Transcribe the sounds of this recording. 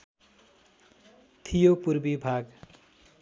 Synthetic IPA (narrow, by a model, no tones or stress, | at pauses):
t̪ʰijopurbibʱaɡ